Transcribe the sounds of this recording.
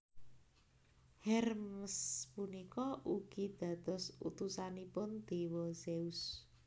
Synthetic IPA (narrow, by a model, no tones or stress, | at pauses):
hɛrmspunikɔʔuɡ̥id̪̥ä̤d̪̥ɔ̤sṵt̪usanipʊnd̪̥e̤wɔseus